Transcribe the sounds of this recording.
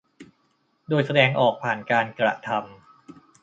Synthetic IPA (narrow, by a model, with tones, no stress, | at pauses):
doː˧jsa˧dɛː˧ŋʔɔː˨˩k̚pʰaː˨˩nkaː˧nkɾa̰˧t̪ʰa˧m